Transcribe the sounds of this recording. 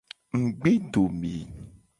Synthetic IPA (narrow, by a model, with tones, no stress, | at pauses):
ŋ̩˨ɡ͡be˦ɖo˨mĩ˨